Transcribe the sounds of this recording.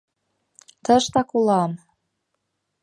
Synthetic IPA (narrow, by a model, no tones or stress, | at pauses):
t̪ə̆ʃt̪ɑkulɑm